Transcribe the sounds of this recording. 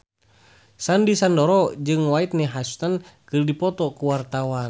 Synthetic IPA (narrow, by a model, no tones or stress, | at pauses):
sandisandɔɾɔd͡ʒɨŋwait̪̚nɛɦasu̥t̪ankɨrdipɔt̪ɔkuwart̪awan